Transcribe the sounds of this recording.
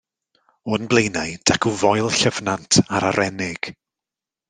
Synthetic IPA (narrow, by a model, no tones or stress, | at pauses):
ʊnblˠejnajd̥akʰuvɔjlˠɬəvnantʰaɾaɾɛnɪɡ̥